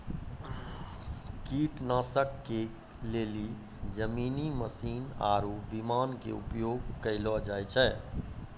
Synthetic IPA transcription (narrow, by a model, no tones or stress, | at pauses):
kiʈnasəkːe | leli | d͡ʒəminiməsina̰ːɾubimankḛṵpjoɡkəɪlɔd͡ʒajt͡ʃʰɛ